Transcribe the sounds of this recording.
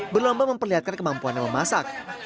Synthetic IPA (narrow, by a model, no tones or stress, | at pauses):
bərlɔmbaməmpərliɦat̪̚kankəmampuanɲaməmasak̚